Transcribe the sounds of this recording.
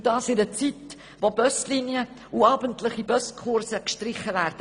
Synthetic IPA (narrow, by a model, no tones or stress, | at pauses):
d̥ɑːsɪdət͡sit | vobœstliniə | uɑːbəntlɪχibœstkʰʊɾsəkʃtɾɪχːəvæːɾd̥ə